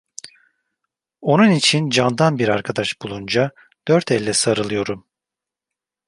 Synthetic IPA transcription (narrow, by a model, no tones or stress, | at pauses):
o̞nunit͡ʃʰind͡ʒand̪anbiɾaɾkʰad̪aʃbulˠund͡ʒa | d̪̥øɾt̪ʰɛlʲːɛsaɾɯlˠɯjo̞ɾum